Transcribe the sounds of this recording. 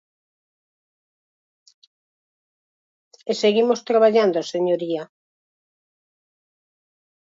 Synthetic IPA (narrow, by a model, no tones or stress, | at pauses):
eseɣimost̪ɾaβaʎand̪oaseɲoɾia